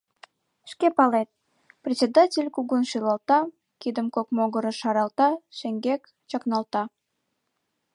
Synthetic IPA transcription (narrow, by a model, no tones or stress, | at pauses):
ʃkepɑlet̪̚ | prʲet̪t͡sʲed̪ɑtʲelʲkuɣunʃilɑlt̪ɑ | kid̪əmkokmoɣəɾə̆ʃɑɾɑlt̪ɑʃeŋɡek | t͡ɕɑknɑlt̪ɑ